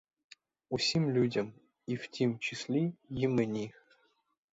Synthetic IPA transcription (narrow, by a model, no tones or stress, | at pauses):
usʲimlʲudʲɘ̆m | iftʲemt͡ɕisʲlʲejimɘnʲix